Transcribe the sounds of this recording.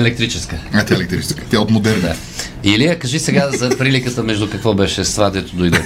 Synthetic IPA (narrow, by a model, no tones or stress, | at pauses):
ɛlɛk̚t̪ɾit͡ʃɛskəat̪ʲjaɛlɛkt̪ɾit͡ʃɛskə̥t̪ʲjaot̪mod̪ɛɾna | iliəkəʒisɛɡazɐpɾilikət̪əmɛʒd̪ʊkɐkvɔbɛʃɛst̪vad̪ɛt̪ʊd̪ojd̪ɛ